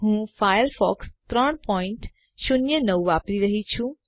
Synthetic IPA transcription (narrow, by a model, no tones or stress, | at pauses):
ɦũfajəɾfɔ̰kst̪ɾəɳ̃pɔĩɳʈ | ʃʊnjənəʋuʋapɾiɾəɦit͡ʃʰũ